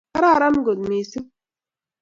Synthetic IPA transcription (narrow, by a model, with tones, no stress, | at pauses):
a˦ɾa˦˨ɾa˦n˦ɡo˨d̪miː˨si˦